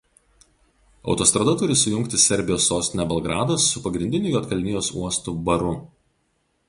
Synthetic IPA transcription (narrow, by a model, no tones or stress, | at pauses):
ɒ̰ʊt̪oːst̪ɾɐd̪ɐt̪ʊɾʲɪsʊjʊŋʲkt̪ʲɪsʲɛɾʲbʲɪjoːsːoːsʲt̪ʲɪnʲɛbɐlˠɡɾɑːd̪ɐsːʊpɐɡɾʲɪnd̪ʲɪnʲʊjoːt̪kɐlʲnʲɪjoːsṵɔst̪ʊbɐɾʊ